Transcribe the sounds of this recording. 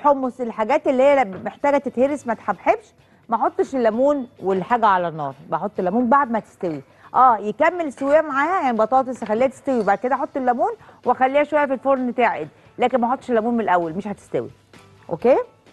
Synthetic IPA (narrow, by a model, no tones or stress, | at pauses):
ħomːoselħaɡæːt̪elːiːhejːæmeħt̪æːɡæt̪et̪heɾesmæt̪ħabħebʃ | mæħot̪ˤːʃelːæmuːnwelħaːɡæʕalænːɑːɾˤbæħot̪ˤːelːæmuːnbaʕd̪mæt̪e̥st̪æwi | ʔæːjekæmːelsowejːæmaʕaːhæjaʕnibɑt̪ˤɑːt̪ˤesæxælːiːhæt̪e̥st̪æwibaʕd̪̚ked̪æʔħot̪ˤːelːæmuːn | weæxælːiːhæʃowæjːæfilfoɾˤnt̪æʕḛd̪ | læːkenmæħot̪ˤːʃelːæmuːnmenelʔæwːælmeʃhæt̪e̥st̪æwḭ | ʔo̰keː